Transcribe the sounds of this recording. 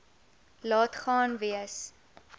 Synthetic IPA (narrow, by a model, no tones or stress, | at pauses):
lɑːtχɑːnviəs